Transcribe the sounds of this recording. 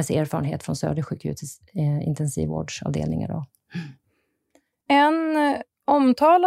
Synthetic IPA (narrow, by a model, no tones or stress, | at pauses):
ɛsæːɾfɑːɾənɦeːt̪fɾɔnsœːɖəɧʉːkʰhʉ̟ːt̪s | ɪ̰nt̪ʰɛnsḭːvoːɖʂɑ̰ːvd̪eːlnɪŋaɖɔ | ɛn | ɔmt̪ʰɑːla